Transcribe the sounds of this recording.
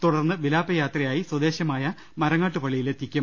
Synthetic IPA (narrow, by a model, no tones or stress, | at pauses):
t̪uɽɐrnːɨʋilaːpɐjaːt̪rɐjaːjiswɐd̪e̞ːɕjɐmaːjɐ | mɐɾɐŋːaːʈːɨpɐɭːijilet̪ikʲːɐm